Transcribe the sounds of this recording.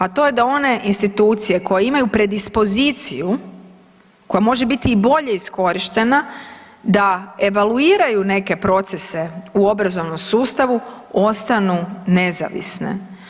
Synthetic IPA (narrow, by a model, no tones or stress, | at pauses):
at̪o̞je̞d̪ao̞ne̞ʔinst̪it̪uːt̪sije̞ko̞jeimajupɾe̞d̪ispo̞zit̪sḭju | ko̞jamo̞ʒe̞bit̪iːbo̞ʎe̞isko̞ɾiʃt̪e̞na | d̪ae̞ʋaluiːɾajune̞ke̞pɾo̞t̪se̞se̞uo̞bɾazo̞ʋno̞msuːst̪aʋu | o̞st̪anune̞za̰ʋḭsnḛ